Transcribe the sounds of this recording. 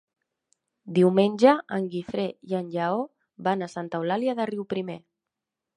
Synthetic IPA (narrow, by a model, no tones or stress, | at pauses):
d̪iwmenʲʒəəŋɡifɾeiənʲʎao | βanasant̪əwlaljiaðəriwpɾime